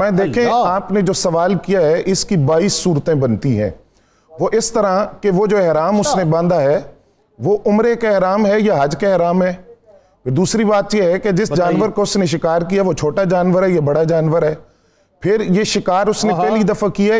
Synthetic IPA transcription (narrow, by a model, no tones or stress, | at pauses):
mɛ̃ːd̪eːkʰẽaːpned͡ʒoːsɐʋaːlkijaɦɛʔɪskibaːiːsːuːɾt̪ẽbɐnt̪iɦɛ̰̃ː | ʋoʔɪst̪əɾãkeʋoːd͡ʒoːɛɦɾaːmʊsnebãːnd̪aɦɛː | ʋoʔʊmɾekaɛɦɾaːmɦɛjaɦɐd͡ʒkaɛɦɾaːmɦɛː | pɪɾd̪uːsɾibaːt̪jeɦɛked͡ʒɪsd͡ʒaːnʋəɾkaʊsneʃ̬ɪkaːɾkijaʋot͡ʃʰoːʈad͡ʒaːnʋəɾɦɛjabɐɽad͡ʒaːnʋəɾɦɛː | pʰɪɾjeʃɪkaːɾʊsnepɛɦlid̪ɐfʰakija